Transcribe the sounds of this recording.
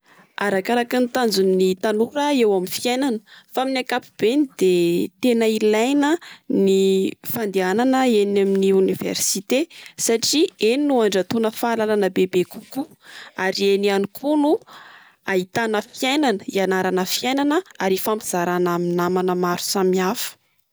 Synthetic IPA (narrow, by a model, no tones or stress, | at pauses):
aɾakaɾakinit̪and͡zunːit̪anuɾəewamifiajnanəfaminakapub̥enid̪̥et̪enəilajnənifand̪iananəenaminiunivḛɾsit̪esaʈ͡ʂieninuaɳɖ͡ʐat̪unəfalalanəbebekuku | aɾienianikʰunu | aɦit̪anəfjajnanəianaɾanəfiajnanəaɾifampiz̥aɾanaminamanəmaɾu̥samiafə̥